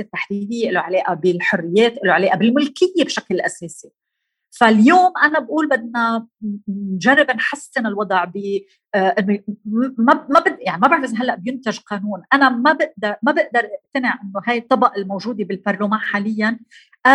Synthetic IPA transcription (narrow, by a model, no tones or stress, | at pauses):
et̪ːaħd̪id̪ɪjːeʔɪloʕaleːʔabɪlħʊrːɪjːeːt̪ʔɪloʕaleːʔabɪlmʊlkɪjːebʃaklʔaseːsi | faljoːmʔanabʔuːlbɪd̪̚na | nʒarˤːɪbɪnħasːɪnɪlwɑd̪ˤʕbɪ | ʔɪnːomamabɪjaʕnimabaʕɪzɦalːaʔbjɪnt̪aʒqɑːnuːnʔanamabɪʔd̪ɑɾmabɪʔd̪ɑɾˤʔɪʔt̪anɪʕʔɪnːoɦajt̪ˤːɑbɑʔɪlmowʒuːd̪ebɪlpɑɾˤlomaːnħaːlɪjːan | ʔa